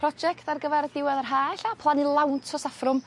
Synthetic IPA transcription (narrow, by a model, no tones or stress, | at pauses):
rɔd͡ʒɛktarɡəvɛɾdɪwɛðərɦaːɬapʰlˠanilˠawntʰɔsafrʊm